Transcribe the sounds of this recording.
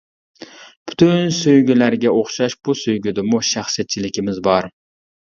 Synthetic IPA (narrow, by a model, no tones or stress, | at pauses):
b̥y̥t̪ʰynsøjɡʲylæɾɡʲɛoχʃɑʃbusøjɡʲyd̪ɪmuʃæχsijɛt̪̚t͡ʃʰilɪkʲimɪzbɑɾ